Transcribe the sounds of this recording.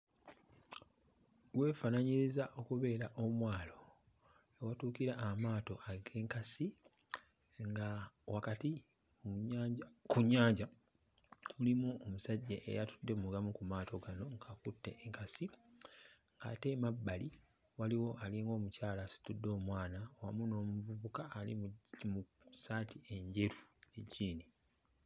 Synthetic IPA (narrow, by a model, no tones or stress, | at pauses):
ɡwe̞ːfanaɲiɾizaʔo̞kuβe̞ːɾaʔo̞mwaːlo̞ | watuːkiɾaːmaːto̞ʔaɡe̞ːŋkasi | ŋɡawakati | kuɲːaːɲɟa | ulimuomusaɟːaʔḛjatu̥dːe̞muɡamukumaːto̞ɡano̞ŋɡakutːe̞̰ʔːŋkasi | ŋɡa̰ːte̞mabːali | waliwo̞ʔaliŋɡo̞ːmucaːlaːsi̥tudːo̞ːmwaːnawamuno̞ːmuvuβukaːlḭmmu | saːtʰie̞ɲɟe̞ɾuḛɟiːni